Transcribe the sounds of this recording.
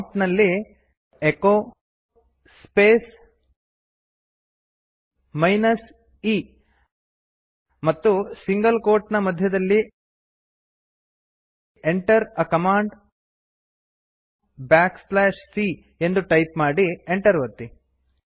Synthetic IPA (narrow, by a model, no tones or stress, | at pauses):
pnɐlːi | ekoː | speːs | mɐjnɐs | iː | mɐt̪ːusiŋɡɐlkoːɾʈnɐmɐd̪ʱjɐd̪ɐlːi | eɳʈɐɾɐkɐmaːɳɖ | bjaːkslaːʃsi | e̞nd̪uʈɐjpmaːɽieɳʈɐɾʋɐt̪ːi